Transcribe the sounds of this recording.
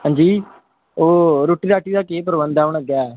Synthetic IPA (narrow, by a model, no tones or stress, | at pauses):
hãːnd͡ʒiː | oːɾoːʈːiːɾaːʈiːd̪aːkeːpəɾbənd̪aːʊɳəɡjaː